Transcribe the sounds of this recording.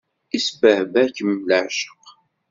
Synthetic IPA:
isbəhvækəmləʕʃə̥q

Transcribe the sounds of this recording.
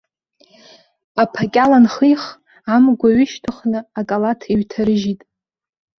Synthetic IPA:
apʰakʲʼalanχijχ | amɡʷaɥʏʃtʰɨχnɨakʼalatʰiɥtʰaɾɨʒitʼ

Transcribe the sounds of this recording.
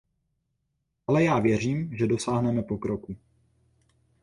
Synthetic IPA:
ʔalɛjaːvjɛr̝iːmʒɛdo̞saːɦnɛmɛpo̞kɾoku

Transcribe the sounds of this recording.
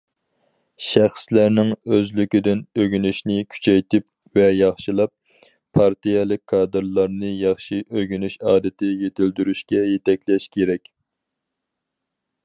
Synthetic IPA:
ʃæχslæɾnɪŋøzlykʲɪd̪ɪnøɡʲynyʃnɪkʲʰy̥t͡ʃʰɛjt̪ʰɪp | vɛjɑχʃɨlˠɑp̚ʰː | ɑɾt̪ijɛlˠɪk̚ʲkʰːɑːd̪ɨɾlˠɑɾnɨjɑχʃiʔøɡʲynyʃɑːd̪ɪt̪ʰɪjet̪ʰɪld̪yɾyʃkʲɛjet̪ɛkʲlɛʃkʲʰeɾɛkʲ

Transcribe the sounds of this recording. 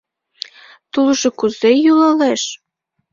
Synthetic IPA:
t̪ulʒŏkuzejulɑleʃ

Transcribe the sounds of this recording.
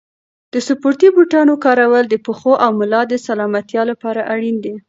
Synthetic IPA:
d̪̥əsʊpoɾt̪ibuʈɑnokɑɾawəld̪əpəxoʔawmʊlɑd̪əsalɑmat̪jɑlapɑɾaʔaɽind̪e

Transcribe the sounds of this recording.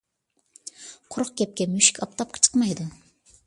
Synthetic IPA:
qʰʊɾʊq̚kʲɛp̚kʲɛmyʃi̥kʲɑp̚t̪ʰɑp̚qʰə̥t͡ʃʰə̥qmɑjd̪ʊ

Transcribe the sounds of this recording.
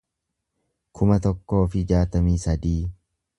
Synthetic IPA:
kʰʊmɐt̪ɔkːo̞ːfɪd͡ʒaːt̪ɐmiːsɐd̪iː

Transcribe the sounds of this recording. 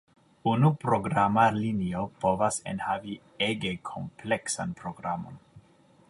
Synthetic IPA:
unupɾoɡɾamaliniopovasḛnhavi | eɡekʰo̞mpleksa̰npɾoɡɾamo̰n

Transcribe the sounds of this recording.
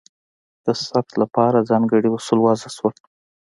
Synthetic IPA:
d̪̥əsaft̪lapɑɾad͡zɑŋɡəɽiusulwɑzaswəl

